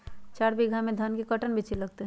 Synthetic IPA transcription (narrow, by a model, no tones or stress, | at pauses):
t͡ʃaːɾbiɡʱamẽd̪ʱənkekəʈənbʱit͡ʃilɐɡ̚t̪eɦ